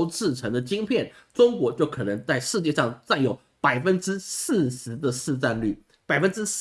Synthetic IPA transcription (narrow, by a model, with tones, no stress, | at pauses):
ʊʈ͡ʂɹɻ̩˥˩ʈ͡ʂʰɤ˧˥ŋd̪ə˧t͡ɕi˥ŋpʰjɛ˥˩nʈ͡ʂʊ˥ŋkwɔ˧˥t͡ɕjo˥˩ʊkʰɤ˨˩nɤ˧˥ŋt͡sa˥˧ɪʂɻ̩˥˧t͡ɕjɛ˥˧ʂɑ˥˧ŋt͡sa˥˩njo˨˩˥ʊ | pa˨˩ɪfə˥nʈ͡ʂɻ̩˥s̩˥˩ʂɻ̩˧˥d̪ə˧s̩˥˧t͡sa˥˧nly˥˩ | pa˨˩ɪfə˥nʈ͡ʂɻ̩˥s